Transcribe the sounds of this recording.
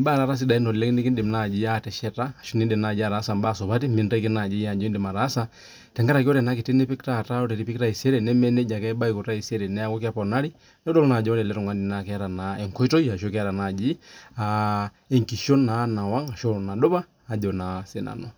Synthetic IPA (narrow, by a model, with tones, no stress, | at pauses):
mbaː˦˨ɾa˨ɾa˦s̬i˦ɗa˨i˦nɔ˨lɛ˦kni˦ki˦ndɪ˨mna˦˨d͡ʒi˦atɛ˨ʃɛ˦taː˦˨ʃu˦ni˦ndi˨mna˨d͡ʒi˦a˨ɾa˨˦sa˨mba˦˨sɔ˨βa˦ti˦mi˨nda˦ki˦na˨d͡ʒi˦ja˨d͡ʒɔ˦ndi˨ma˨ɾa˦sa | tɛ˨ŋɡa˦ɾa˨ki˦ɔ˦ɾɛ˨na˦ki˨tɛ˦nɛ˦pi˦kta˦˨ta˦ɔ˦ɾɛ˨ɾi˦pi˦kta˦i˨sɛ˦ɾɛ˨nɛ˦mɛ˦nɛ˦d͡ʒa˨kɛ˦ɓa˦i˨kɔ˨ta˦i˨sɛ˦ɾɛ˨nɛ˦a˦kɔ˦ka˦pɔ˨na˦ɾi˦ | nɛ˦dɔ˦lna˨d͡ʒɔ˦ɔ˦ɾɛ˨lɛ˦ɾɔ˨ŋwa˦ndi˨nakɛaɾa˨naɛ˨ŋkɔ˦i˦tɔ˦ia˨ʃɔkɛa˦ɾa˨na˨d͡ʒi˦a | ɛ˨ŋki˨ʃɔ˦na˦na˨wa˦ŋa˨ʃɔ˦na˨ɗɔ˦βaː˦˨d͡ʒɔ˨na˨sɛ˨na̰˨nɔ˨